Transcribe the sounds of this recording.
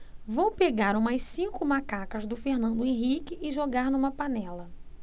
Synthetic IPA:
vowpeɡaɾũmɐjssĩkʊmakakɐzd̪ʊfeɾnɐ̃nd̪ʊẽɦikɪːʒoɡaɾnũmɐpanɛlɐ

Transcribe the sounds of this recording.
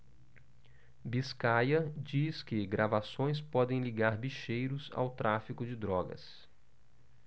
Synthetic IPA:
biskajɐd͡ʒiskɪɡɾʔavasõj̃spɔd̪ẽj̃liɡaɾbiʃejɾʊza̰wt̪ɾafikʊd͡ʒɪd̪ɾɔɡɐ̰s

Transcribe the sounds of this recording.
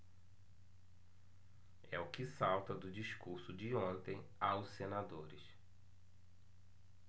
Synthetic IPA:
ɛʊkɪsawt̪ɐd̪ʊd͡ʒiskuɾsʊd͡ʒɪõnt̪ẽj̃ | awʊssenad̪oɾɪs

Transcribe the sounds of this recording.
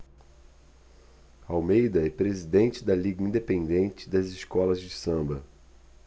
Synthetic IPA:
awmejd̪ɐɛpɾezid̪ẽnt͡ʃɪd̪ɐliɡɐĩnd̪epẽnd̪ẽnt͡ʃɪd̪ɐzɪskɔlɐzd͡ʒɪsɐ̃mbɐ

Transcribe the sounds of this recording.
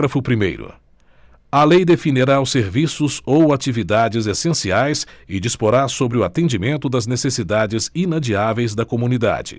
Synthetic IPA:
ɾɐfʊpɾimḛjɾʊ̰ | ɐlejd̪efiniɾaʊseɾvisʊzowat͡ʃivid̪ad͡ʒɪzesẽsiajsɪd͡ʒispoɾasobɾɪʊat̪ẽd͡ʒimẽnt̪ʊd̪ɐznesesid̪ad͡ʒɪzinad͡ʒiavejzd̪ɐkomũnid̪a̰d͡ʒɪ̰

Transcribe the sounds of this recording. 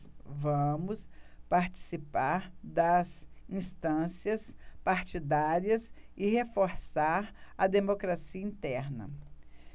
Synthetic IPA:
vɐ̃mʊspaɾt͡ʃi̥sipaɾd̪ɐsĩst̪ɐ̃siɐspaɾt͡ʃid̪aɾiɐsɪhefoɾsaɾɐd̪emokɾasiɐĩt̪ɛɾnɐ̰

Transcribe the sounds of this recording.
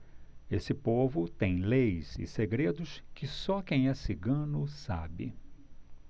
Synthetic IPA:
esɪpovʊt̪ẽj̃lejzɪ̰seɡɾed̪ʊskɪsɔkẽj̃ɛsɪɡɐ̃nʊsa̰bɪ̰

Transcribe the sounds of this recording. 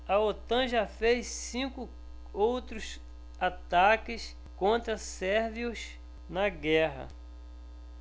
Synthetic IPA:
ɐot̪ɐ̃ʒafessĩkʊ | owt̪ɾʊs | at̪akɪs | kõnt̪ɾɐsɛɾviʊs | nɐɡɛɦɐ̰

